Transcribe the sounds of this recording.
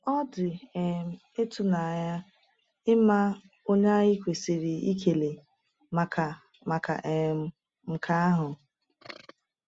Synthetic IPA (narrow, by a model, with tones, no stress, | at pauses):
ɔ˦dɪ˨e˨m̩˨ | e˦tʊ˦na˨ja˦ | ɪ˦ma˦ | o˦ɲ˦a˦ɣi˦kʷe˨si˨ɾi˨i˦kʰe˨le˨ | ma˨ka˨ | ma˨ka̰˨ʔe˨m̩˦ | m̩˨kʰa˦a˦ɦʊ˨